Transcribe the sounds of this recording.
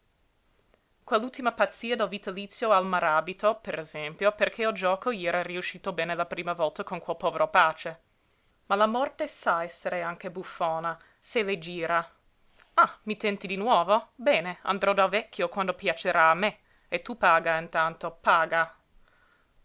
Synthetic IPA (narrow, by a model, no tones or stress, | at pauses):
kwelːult̪imapat̪sːiːad̪elvit̪alit̪sjoalmaɾaːbit̪opeɾezɛmpjoperkʰeod͡ʒɔːkoiɛːɾariuʃːiːt̪obɛːnelapɾiːmavɔlt̪akonkwelpɔːveɾopaːt͡ʃe | malamɔrt̪esaɛsːeɾeaŋk̟ebufːoːna | seled͡ʒiːɾa | amit̪ɛnt̪id̪inwɔːvobɛːnea̰nd̪ɾɔd̪alvɛkʰːjokwand̪opjat͡ʃeɾaːme | et̪ːupaːɡaint̪ant̪opaːɡa